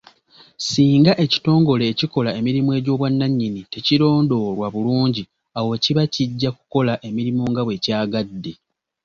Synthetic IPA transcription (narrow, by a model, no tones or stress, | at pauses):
siːŋɡaʔe̞ci̥to̞ːŋɡo̞le̞ːciko̞lae̞miɾimwe̞ːɟo̞ːβwanːaɲːinite̞ciɾo̞ːndo̞ɾwaβuluːɲɟi | awo̞ciβaciɟːaku̥ko̞laʔe̞miɾimoŋɡaβwe̞caːɡadːe̞